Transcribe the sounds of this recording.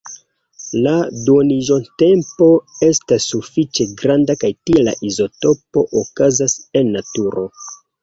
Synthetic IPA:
laduoniʒo̞nte̞mpo̞e̞stasːufit͡ʃe̞ɡɾandakajtiela̰ʔizo̞to̞po̞ʔokazase̞nːatuɾo̞

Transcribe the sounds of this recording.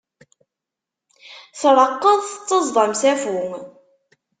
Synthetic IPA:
θɾˤəqːəðˤθət͡sːəzˤðˤɑmsæfuŋ

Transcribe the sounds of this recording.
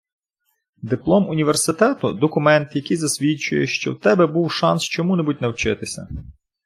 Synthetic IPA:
d̪ɪplˠɔmʊnʲiʋersɪt̪ɛt̪ʊd̪ɔkʊmɛnt̪jɐkijzɐsʲʋʲit͡ʃʊ̰jɛ̰ʃt͡ʃɔ̰wt̪ɛbɛbuwʃɑnst͡ʃɔmunɛbutʲnɐwt͡ʃɪt̪ɪsʲɐ̰

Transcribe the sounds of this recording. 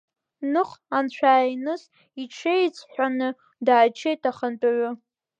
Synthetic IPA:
nɨχant͡ɕʷʰaːinɨs | iʈ͡ʂʰejt͡sʰʼħʷᶣanɨ | daːt͡ʃʰejtʰaχənt͡pʼaʕʷʊ

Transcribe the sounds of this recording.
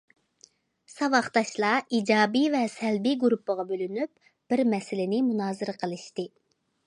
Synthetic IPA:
sɑvɑχt̪ɑʃlˠɑid͡ʒɑːbivɛsɛlbiɡuɾupʰːəʁɑbølynyp̚ | b̥ɪɾmɛsɪlɪnɪmunɑːzɨɾɨqʰəlˠɨʃt̪ɨ

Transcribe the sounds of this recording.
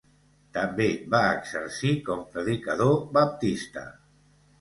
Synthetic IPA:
t̪ambeβaəɡzəɾsikɔmpɾəðikaðoβap̚t̪ist̪ə̰

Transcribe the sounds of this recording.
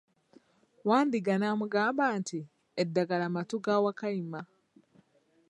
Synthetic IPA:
waːndiɡanaːmuɡaːmbaːntʰi | edːaɡalamatuɡawakaima

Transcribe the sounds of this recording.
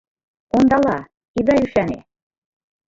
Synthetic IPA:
ond̪ɑlˠɑ | id̪ɑjyʃænḛ

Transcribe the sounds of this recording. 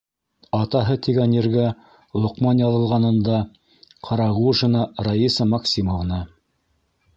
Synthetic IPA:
ɑt̪ɑɦɤt̪iɡænjɘ̆ɾɡæ | lˠŏqmɑnjɑlˠɤ̆lˠʁɑnɤ̆nd̪ɑ | qʰɑɾɑʁuʒɤ̆nɑɾajisəmɑksʲimŏvnɑ

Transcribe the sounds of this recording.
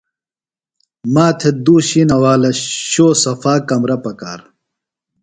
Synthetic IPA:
maːt̪ʰed̪uːɕinɐwaːlɐɕoːsɐfaːkɐmɾɐpɐkaːɾ

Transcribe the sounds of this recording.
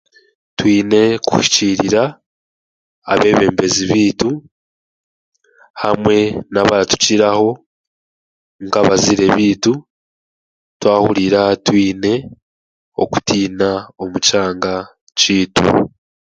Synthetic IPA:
twiːne̞ku̥hʃi̥ciːɾiɾa | βe̞ːβe̞ːmbe̞ziβiːtu | hamwe̞naβaɾatu̥ciɾaho̞ | ŋkaβaziɾe̞βiːtu | twaːhuɾiɾatwiːne̞ | o̞̰ku̥tiːnao̞mut͡ʃaːŋɡa | t͡ʃiːtṵ

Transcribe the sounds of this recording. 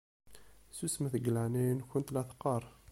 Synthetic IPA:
susməθəɡlæninkʊnt̪læθqɑɾˤ

